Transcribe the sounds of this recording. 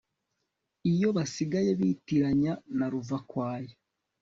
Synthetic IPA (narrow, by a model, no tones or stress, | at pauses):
ijo̞βasiɡajeβitiɾaɲanaɾuvakwaːje